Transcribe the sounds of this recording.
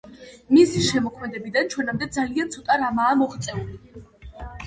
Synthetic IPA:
misiʃɛmɔkʰmɛd̪ɛbid̪ant͡ʃʰwɛnamd̪ɛd̪zaliant̪sʰɔt̪ʼaɾamaːmɔχt̪sʼɛuli

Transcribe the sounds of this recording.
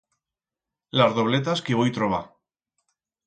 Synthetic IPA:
lazðo̞β̞let̪askeβojt̪ɾoβa

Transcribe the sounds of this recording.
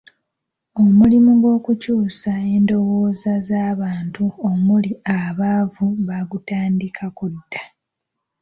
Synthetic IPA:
o̞mulimuɡwo̞ːkucuːsae̞ːndo̞wo̞ːzazaːβaːntuo̞muliaβaːvuβaɡutaːndikʰakudːa

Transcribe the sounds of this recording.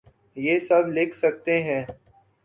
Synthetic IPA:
jeːsɐblɪkʰsək̚t̪eɦɛ̃ː

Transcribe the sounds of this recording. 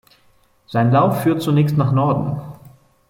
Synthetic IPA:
z̥aɪnlaʊfːyːɐt̚t͡sunɛːçstnaːχnɔɐdn̩

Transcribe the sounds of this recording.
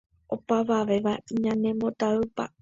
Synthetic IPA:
o̞paʋaʋe̞ʋaiɲãnẽ̞mbo̞t̪aɨpa̰

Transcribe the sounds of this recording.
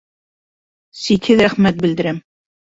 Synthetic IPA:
sik̪hɘðɾæχmæt̪̚bɘ̆ld̪ɘ̆ɾæm

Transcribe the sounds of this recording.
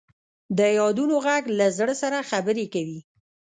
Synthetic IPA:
d̪əjɑd̪unoɣaɡlazɽəsaɾaxabəɾekawi

